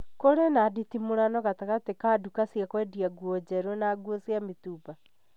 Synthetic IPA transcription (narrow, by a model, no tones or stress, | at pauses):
koɾenaditimoɾanɔɣataɣatekadukasiakwɛdiaɡuɔd͡ʑɛɾonaɡuosjametuːba